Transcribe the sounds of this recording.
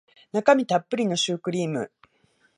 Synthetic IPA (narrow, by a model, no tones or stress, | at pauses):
nakamʲit̪apːɯ̟ɾʲino̞ɕɨːkɯ̟ɾʲiːmɯ̟̰